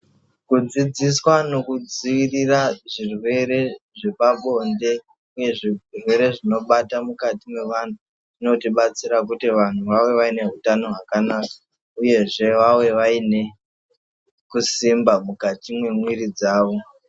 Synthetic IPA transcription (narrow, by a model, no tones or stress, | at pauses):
kud͡zid͡ziswano̞kud͡ziʋiriraʐirwe̞ɾe̞ʐe̞paɓo̞nde̞ | uje̞ʐirwe̞ɾe̞ʐino̞ɓatamukatimwe̞ʋan̤u | ʐino̞tiɓat͡siɾak̬utiʋan̤uʋawe̞ʋaine̞ɦutano̞ɦakanaːkḁ | uje̞ʐe̞ʋawe̞ʋaine̞ | kusimbamukatimwe̞mwiɾid͡zaːʋo̞